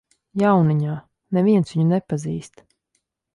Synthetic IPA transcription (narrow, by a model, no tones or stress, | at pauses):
jawniɲaː | nɛvʲiɛnsʋiɲunɛpaziːst̪